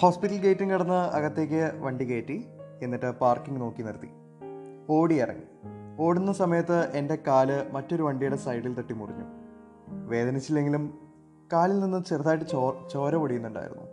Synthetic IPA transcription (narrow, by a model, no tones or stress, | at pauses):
ho̞ːspitːɐlɡejtːɨŋkɐɽɐnːɨɐ̰ɣɐt̪ːe̞k̬ʲːɨʋɐɳɖikeːʈːie̞nːiʈːɨpaːrkiŋɡno̞ːkːinɐɾt̪ːḭ | o̞ːɽiirɐ̰ŋːḭo̞ːɽunːɐsɐmɐjɐt̪ːɨʔe̞nde̞kaːlɨmɐtːo̞ɾuʋɐɳɖijuɽesɐjɽilt̪ɐʈːimurḭɲːṵ | ʋe̞ːd̪ɐnɐt͡ɕːilːe̞ŋɡilum | kaːlilninːɨmt͡ɕerðaːjiʈ̬ːɨt͡ɕːt͡ɕo̞ːɾɐʋoɽijunːuɳɖa̰ːjiɾunːṵ